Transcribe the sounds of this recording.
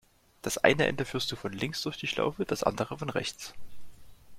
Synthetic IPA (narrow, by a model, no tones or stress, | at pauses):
d̥asʔa̰ɪnəʔɛ̰ndəfyːɐst̚d̥uːfɔnlɪŋsd̥ʊɐçd̥iːʃla̰ʊfəd̥asʔa̰ndəʁ̞əfɔnʁɛ̰çt͡s